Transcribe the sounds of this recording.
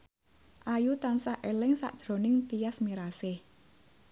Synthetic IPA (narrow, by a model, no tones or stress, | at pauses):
ʔajut̪ansaʔelɪŋsa̰ʔd̥ʒ̥ɾo̤nɪŋt̪ijasmiɾasɪh